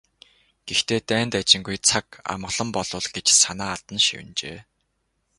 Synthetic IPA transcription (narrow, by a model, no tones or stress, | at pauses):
ɡ̥ext̪ʰeːt̪æːnt̪at͡ɕɪ̆ŋɡujt͡sʰaka̰m̆ə̆ɮ̥ɞ̆mpɔɮ̥ʊːɮɡet͡ɕsanaːaɮt̪ə̆nʃḭwɘ̆nt͡ɕḛː